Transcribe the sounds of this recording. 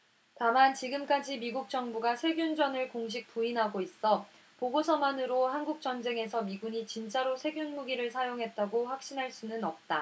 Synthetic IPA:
tamant͡ɕiɡɯmk͈ad͡ʑimiɡuk̚t͡ɕ͈ʌŋbuɡasʰe̞ɡjund͡ʑʌnɯɭkoŋɕ̬ik̚p͈uinɦaɡois͈ʌ | poɡosʰʌmanɯɾohanɡuk̚t͡ɕ͈ʌnd͡ʑe̞ŋe̞sʰʌmiɡuɲit͡ɕint͡ɕ͈aɾosʰe̞ɡjunmuɡiɾɯɭsʰajoŋɦe̞t̚t͈aɡoɸwak̚ɕ͈inɦaɭs͈unɯnʌp̚t͈a

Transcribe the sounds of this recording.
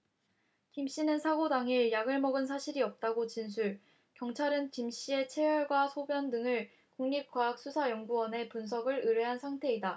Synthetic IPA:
kimɕ͈inɯnsʰaɡodaŋiɭjaɡɯɭmʌɡɯns̬ʰaɕʰiɾiʌp̚t͈aɡot͡ɕinsʰuɭ | kjʌŋt͡ɕʰaɾɯnkimɕ͈ie̞t͡ɕʰe̞jʌɭɡwasʰobjʌndɯŋɯɭ | koŋɲip̚k͈waɦak̚s͈usʰajʌŋɡuwʌne̞punsʰʌɡɯɭɯɾeɦansʰaŋtʰe̞ida

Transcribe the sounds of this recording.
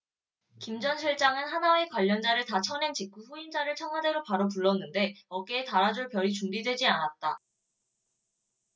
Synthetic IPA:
kimd͡ʑʌnɕʰiɭt͡ɕ͈aŋɯnɦanae̞kwaʎːʌnd͡ʑaɾɯɭtat͡ɕʰʌne̞ŋt͡ɕik͈uɸuind͡ʑaɾɯɭt͡ɕʰʌŋɦwade̞ɾopaɾop̬uɭːʌnːɯnde̞ʌk͈eːtaɾad͡ʑoɭpjʌɾit͡ɕuŋbidwe̞d͡ʑianat̚t͈a

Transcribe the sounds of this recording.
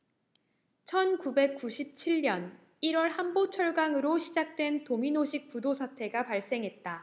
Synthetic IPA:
t͡ɕʰʌnkube̞k̚k͈uɕʰip̚t͡ɕʰiɭɲʌn | iɾwʌɭɦambot͡ɕʰʌɭɡaŋɯɾoɕʰid͡ʑak̚t͈we̞ntominoɕʰik̚p͈udosʰatʰe̞ɡapaɭs͈e̞ŋɦe̞t̚t͈a

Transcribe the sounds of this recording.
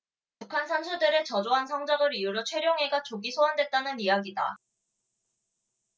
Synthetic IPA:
pukʰansʰansʰudeɾet͡ɕʌd͡ʑoɦansʰʌŋd͡ʑʌŋɯɾijuɾot͡ɕʰwe̞ɾjoŋɦe̞ɡat͡ɕoɡisʰoɦandwet̚t͈anɯnijaɡida

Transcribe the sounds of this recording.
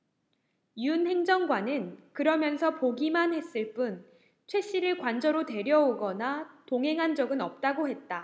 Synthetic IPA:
unhe̞ŋd͡ʑʌŋɡwanɯnkɯɾʌmjʌnsʰʌpoɡimanɦe̞s͈ɯɭp͈un | t͡ɕʰwe̞ɕ͈iɾɯɭkwand͡ʑʌɾote̞ɾjʌoɡʌnatoŋɦe̞ŋɦand͡ʑʌɡɯnʌp̚t͈aɡoɦe̞t̚t͈a

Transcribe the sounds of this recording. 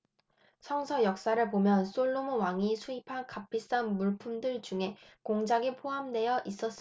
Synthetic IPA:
sʰʌŋsʰʌjʌk̚s͈aɾɯɭpomjʌns͈oɭːomowaŋisʰuipʰankapʰis͈anmuɭpʰumdɯɭt͡ɕuŋɦe̞koŋd͡ʑaɡipʰoɦamde̞jʌʔis͈ʌs͈ɯ

